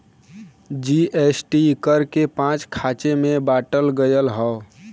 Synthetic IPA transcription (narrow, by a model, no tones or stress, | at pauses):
d͡ʒiʔesʈikəɾkepãt͡ʃkʰat͡ʃemebaʈəlɡəjəlɦə